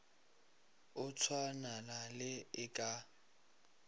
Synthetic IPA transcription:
ʊt͡sʰwananalɪɪkʼa

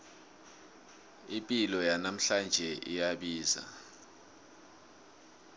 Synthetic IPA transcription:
ipʼilɔjanam̩ɬand͡ʒʱɛʔḭjaɓiːza̰

